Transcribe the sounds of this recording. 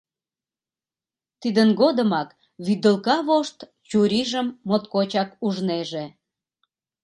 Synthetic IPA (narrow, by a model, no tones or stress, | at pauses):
t̪id̪ənɡod̪əmɑk | βyd̪əlkɑβoʃt̪ | t͡ɕuɾiʒəmːot̪kot͡ɕɑkuʒneʒe